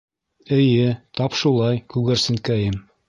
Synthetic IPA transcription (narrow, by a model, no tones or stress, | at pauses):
ɘ̆jɘt̪ɑpʃulˠɑjkʉɡɘ̆ɾsɘ̆ŋkæjɘm